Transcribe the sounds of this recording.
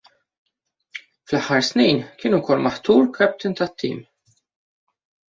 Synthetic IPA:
flɐħːɐɾsniːnkɪːnukɔlːmɐħt̪uːɾkʰɛp̚t̪ɪnt̪ɐt̪ʰːḭːm

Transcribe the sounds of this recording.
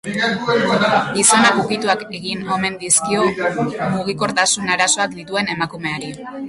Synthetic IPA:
ɡiso̞nakukit̪uake̞ɣino̞me̞nd̪iskio̞muɣ̞iko̞ɾt̪asunaɾaso̞akd̪it̪ue̞ne̞makume̞aɾi

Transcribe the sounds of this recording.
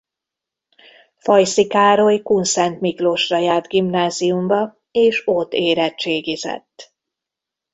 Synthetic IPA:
fɒjsikaːɾojkunsɛnt̪mikloʃrɒjaːrd̪ɡimnaːzijumbɒ | eːʃot̪ːeːɾɛtt͡ʃeːɡizɛ̰t̪ː

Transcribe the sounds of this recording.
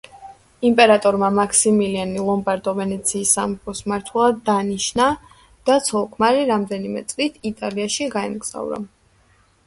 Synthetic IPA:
impʼɛɾat̪ʼɔɾmamakʰsimilianilˠɔmbaɾd̪ɔvɛnɛt̪sʰiːsːampʰɔsmaɾt̪ʰwɛlˠad̪ːaniʃna | d̪̥at̪sʰɔlˠkʰmaɾiɾamd̪ɛnimɛ̰t̪sʼlit̪ʰit̪ʼaliaʃiɡaɛ̰mɡz̥a̰vɾa̰

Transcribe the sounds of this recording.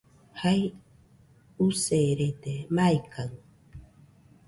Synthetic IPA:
haj | useɾet̪emajkʰaŋ

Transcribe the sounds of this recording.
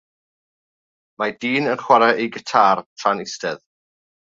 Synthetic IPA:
madiːnənχwaɾɛʔejɡətʰaːrtʰranɪstɛð

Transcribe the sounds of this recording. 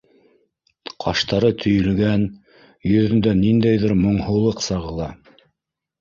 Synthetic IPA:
qʰɑ̰ʃt̪ɑɾɤt̪ʰɵ̆jɵ̆lɡæn | jɵ̆ðɘ̆nd̪ænind̪æjðɘɾmŏɴhɤ̆lˠɤqsɑʁɤ̆lˠɑ

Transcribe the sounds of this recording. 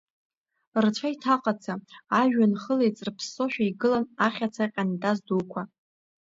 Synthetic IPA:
rt͡ʃʷʰaitʰaqʼat͡sʰaaʒᶣanχəlejt͡sʼrpʰsːo̞ʃᶣaiɡɨlanaχʲat͡sʰaqʲʼandazduwkʷʰa

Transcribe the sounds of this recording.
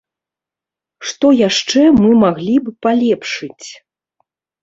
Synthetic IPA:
ʂt̪ɔjaʂt͡ʂɛmɨmaɣlʲibɨpalʲɛpʂɨt͡sʲ

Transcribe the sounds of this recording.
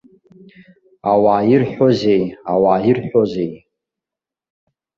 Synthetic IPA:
awairħʷᶣoze̞jawaːjirħʷᶣoze̞j

